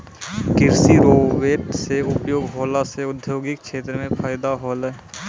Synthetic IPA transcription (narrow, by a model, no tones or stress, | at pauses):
kɪɾsiɾoːʋeːʈseʊpjoːɡɦoːlaseʊd̪ʱjoːɡɪk̚kʃeːt̪ɾəmẽpʰaːjd̪aɦoːlɛ